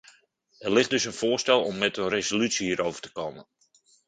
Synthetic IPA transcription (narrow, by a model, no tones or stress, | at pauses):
ɛrlɪχ̚dɵsənfʊːrstɛlˠɔmːɛtənrezolytsihiːɾʔowvərtə̥koːmən